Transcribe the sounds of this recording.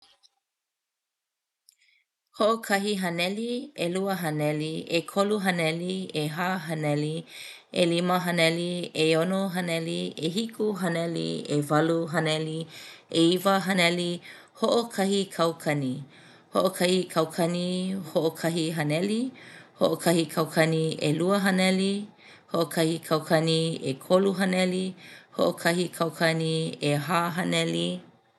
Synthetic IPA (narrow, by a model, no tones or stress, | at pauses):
hoʔokʰɐɦiɦɐnɛlieluəɦɐnɛliekʰoluɦɐnɛlieɦaɦɐnɛliḛliməɦɐnɛlieonoɦɐnɛlieɦikʰuɦɐnɛlḭevɐluɦɐnɛlieivəɦɐnɛli | hoʔokʰɐhikʰɐwkʰɐni | hoʔokʰɐhikʰɐwkʰɐnihoʔokʰɐɦiɦɐnɛlihoʔokʰɐhikʰɐwkʰɐnieluəɦɐnɛli | hoʔokʰɐhikʰɐwkʰɐniekʰoluɦɐnɛliho̰ʔokʰɐɦikʰawkʰɐnieɦaɦɐnɛli